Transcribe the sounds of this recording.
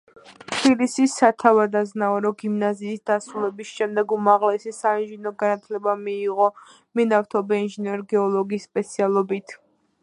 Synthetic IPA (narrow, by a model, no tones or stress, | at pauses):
t̪ʰbilisisat̪ʰavad̪aznaɔɾɔɡimnaziːsd̪̥asɾulɛbisʃɛmd̪ɛɡumaʁlɛsisainʒinɔɡanat̪ʰlɛbamiːʁɔ | mɛnaft̪ʰɔbɛinʒinɛɾɡɛɔlˠɔɡisːpʼɛt̪sʰialˠɔbit̪ʰ